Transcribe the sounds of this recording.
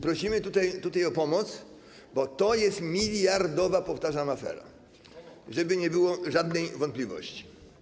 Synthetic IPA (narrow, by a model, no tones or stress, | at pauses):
pɾɔɕimɘt̪ut̪ajt̪ut̪ajɔpɔmɔt̪s | bɔt̪ɔjɛst̪mʲilʲjaɾd̪ɔvapɔft̪aʐamafɛ̰ɾa̰ | ʐɛbɘɲɛbɘwɔʐad̪nɛjvɔnt̪̚pʲlʲivɔ̰ɕt͡ɕi̥